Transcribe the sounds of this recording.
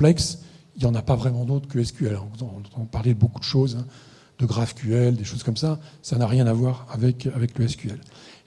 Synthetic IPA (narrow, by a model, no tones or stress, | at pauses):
plɛksiljɑ̃napavʁɛmɑ̃d̪ot̪χəkəɛskʲyɛlɔ̃nɑ̃t̪ɑ̃paʁlɛd̪əbokud̪əʃozɛ̃ | d̪̥əɡʁavkʲyɛld̪eʃoz̥kɔmsasanaʁjɛ̃navwaʁavɛkavɛkləɛskʲyɛl